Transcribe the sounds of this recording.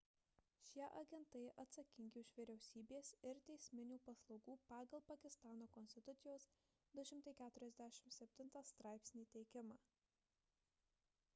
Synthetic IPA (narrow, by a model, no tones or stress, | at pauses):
ʃʲiɛʔɐɡʲɛnt̪ɐɪʔɐt̪sɐkʲɪŋʲɡʲɪʊʃʋʲiːɾʲɛʊsʲiːbʲeːsɪɾt̪ʲɛɪsʲmʲɪnʲuːpɐslˠɒʊɡuːpɑːɡɐlˠpɐkʲɪst̪ɑːnoːkɔnʲsʲt̪ʲɪt̪ʊt̪sʲɪjoːs | d̪ʊʃʲɪmt̪ɐɪkʲæːt̪ʊɾʲɛzʲd̪ʲæʃʲɪmsʲɛpʲt̪ʲɪnt̪ɑːst̪ɾɑˑɪpʲsʲnʲiːt̪ʲɛɪkʲɪmɑː